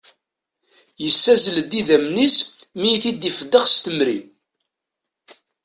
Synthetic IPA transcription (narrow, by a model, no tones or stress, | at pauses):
jəsːæzləd̪iðæmnismijθid̪ifəd̪ːəχst̪əmɾin